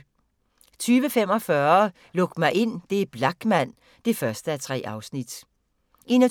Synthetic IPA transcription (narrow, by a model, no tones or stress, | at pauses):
t͡sʰyːʋəfem̰ɒ̽fɶːɐ | lɔ̽ɡ̥̚mɑ̈ɪʔe̝n̰d̥e̝b̥lɑ̈ɡ̥mæn̰ | d̥e̝fɶɐsd̥əæt͡sʰʁɛ̰ːʔɑ̈ʊsnid̥ | e̝nɐ